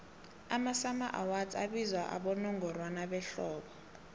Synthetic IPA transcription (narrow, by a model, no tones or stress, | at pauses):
amasamaʔawaza̰ɓizwaʔa̰ɓɔnɔŋɡʱɔrwanaɓɛɬɔːɓɔ